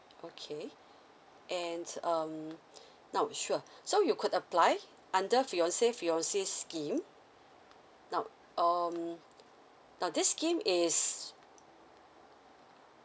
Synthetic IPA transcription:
ʔokʰe | ʔɛ̃ndʌm | nawʃuəsojukʰudəplaj | ʔãndəfiɔ̃nsefiɔ̃nseskĩm | naw | ʔʌm | nãwdiskĩmis

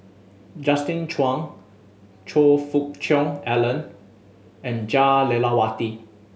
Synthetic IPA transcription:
d͡ʒastĩnt͡ʃwãŋ | t͡ʃʰofuk̚t͡ʃɔ̃ŋɛlə̃n | ɛ̃nd͡ʒalelawati

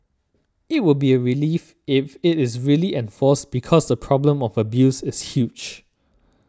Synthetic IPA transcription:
ɪt̚wɪbiəɹilif | ɪfɪtɪsɹiəliʔɛ̃nfɔsb̥ikʰɔsdəpʰɹɔblə̃mɔvəbjusɪshjud͡ʒ

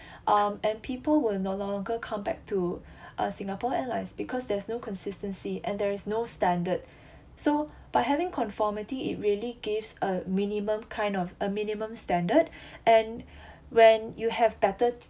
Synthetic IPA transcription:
ʔʌ̃mɛ̃npʰipəlwɪlnolɔ̃ŋɡəkʰãmbɛ̰k̚tʰu | ʔʌ̰sĩŋəpɔɛlaɪsbikʰɔsdɛsnokʰɔ̃nsɪstə̃nsiʔɛ̃ndɛɹisnostɛ̃ndəd̚ | so | b̥aɪɦɛvɪ̃ŋkʰɔ̃nfɔmitiɪ̰t̚ɹiəliɡivsəmĩnimə̃mkʰãɪ̃ndɔfəmĩnimə̃mstɛ̃ndədʔɛ̃n | wɛ̃njuhɛvbɛtə

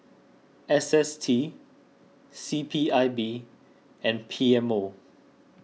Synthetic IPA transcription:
ɛsɛstʰi | sipʰiaɪbi | ɛ̃npʰiɛ̃mo

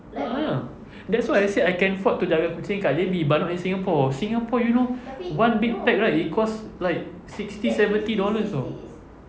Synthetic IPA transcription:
aa | dɛtswajaseajkɛ̃nfɔtːud͡ʒaɡakũt͡ʃĩŋkaʔd͡ʒebibanɔʔĩnsĩŋapɔsĩŋapɔjunowãnbik̚pɛk̚ɹajt̚ikɔslaɪk̚ | sikst̪isɛvə̃nt̪idɔləsɔ

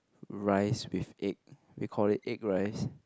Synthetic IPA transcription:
ɹaɪswifek̚ | wḭkʰɔlit̚ek̚ɹaɪs

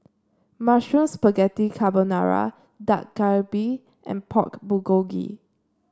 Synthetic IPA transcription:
maʃũnspəɡɛtikʰabənaɹa̰ | da̰k̚ɡaɹbi | ʔɛ̰̃npʰɔ̰kbuɡoɡḭ

